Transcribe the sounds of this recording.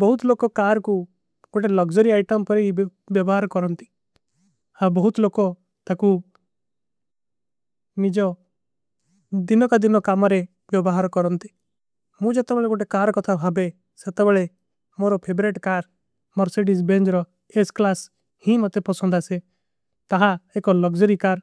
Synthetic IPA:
bɔɦut̪loːkɔkaːɾku | koʈelɔɡd͡ʒɔɾiaɪʈəmpɔɾi | bjɔbɔɦaɾkɔɾɔnt̪i̥ | hãbɔɦut̪loːkɔ | t̪aku | nid͡ʒɔ | d̪ɪnɔkad̪ɪnɔkamɔɾe | bjɔbɔɦaɾkɔɾɔnt̪i̥ | mũd͡ʒet̪ebɛɭeɡoʈekaɾkɔt̪ʰabʱabe | set̪ebeɭe | moɾɔpʰebɾeʈkaɾ | mɔɾseɖisbẽnd͡ʒɾɔ | esklas | hĩmɔt̪epɔsɔ̃nd̪ʱase | t̪aɦaekɔlɔɡd͡ʒɔɾikaɾ

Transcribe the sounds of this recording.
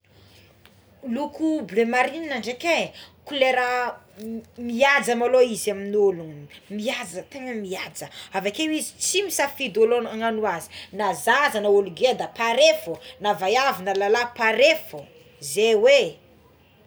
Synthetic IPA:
lukublemaɾininaɳɖ͡ʐekekuleɾə | miad͡zamaloizaminulunmiad͡zət̪eŋəmiad͡zəavakewizit͡simisafid̪olonaŋanuazi̥nazazanaoluɡed̪apaɾefunavajavinəlalapaɾefu | zewe

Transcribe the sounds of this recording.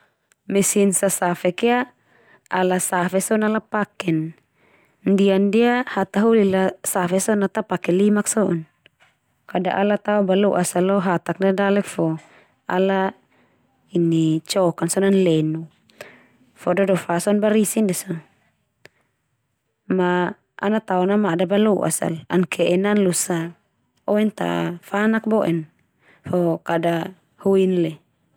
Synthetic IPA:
mɛsinsasafɛkɛa | alasafɛsɔnalapakɛn | ndiandiahat̪aɦulilasafɛsɔnat̪apakɛlimaksɔʔɔn | kada̰ʔalat̪aubaluʔasalɔɦat̪ak̚diadalɛk̚fɔ | a̰la | init͡ʃɔkansɔnanlɛnu | fɔdɔdɔfasɔnbaɾisindɛsa | ma | a̰nat̪aɔnamadabaluʔa̰sa̰lankʰɛʔɛnanlusa | ɔɛnt̪a̰fanak̚bɔʔɛn | fɔkada | huinlɛ

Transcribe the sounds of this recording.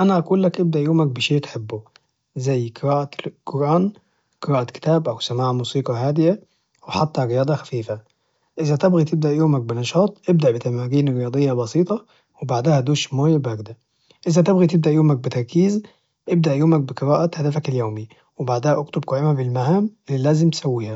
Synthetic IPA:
ʔænæʔækuːlːækʔɪb̚d̪æʔjuːmæk̚bɪʃeːʔt̪ħebːʊ | zæjːqɨɾɑːʔaqoɾˤʔɑːn | qɨɾˤɑːʔɑkɪ̥t̪æːbʔæwsamaːʕmuːsiːqɑɦaːd̪ɪja | weħat̪ːæɾɪjɑːd̪ˤɑxæfiːfæ | ʔɪzæt̪ɪbɣit̪ɪb̚d̪æʔjoːmæk̚bɪnɑʃɑːt̪ˤʔɪbd̪aʔbɪt̪æmaːɡiːnɾɪjɑːd̪ˤejːɑbɑsˤiːt̪ˤɑ | webaʕd̪æhæd̪uːʃmoːjbæɡd̪æ | ʔɪzæt̪ɪbɣit̪ɪb̚d̪æʔjoːmæk̚bɪt̪ɑɾˤkiːz | ʔɪb̚d̪aʔjoːmæk̚bɪqɨɾɑːʔahæd̪æfækɪljoːmi | wɪbaʕd̪æhæʔʊkt̪ʊb̚kʊʕɪmæbɪlmahaːmʔɪlːilæːzɪmt̪sæwːiːhæ

